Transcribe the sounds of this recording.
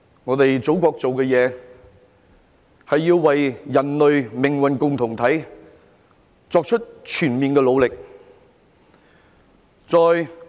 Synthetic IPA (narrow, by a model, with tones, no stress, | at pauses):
ŋɔː˨˧t̪e˨jt͡so˨˥wkʷɔː˧k̚t͡so˨wkɛ˧jɛː˨˧ | hɐ˨jːiː˧wːɐ˨jjɐ˨˩nlɵ˨ɥmɪ˨˩ŋwɐ˨nkʊ˨ŋt̪ʰʊ˨˩ŋt̪ʰɐ˨˥j | t͡sɔː˧k̚t͡ʃʰɵ˥t̚t͡ʃʰyː˨˩nmiː˨nkɛː˧lo˨˧wlɪ˨k̚ | t͡sɔː˨j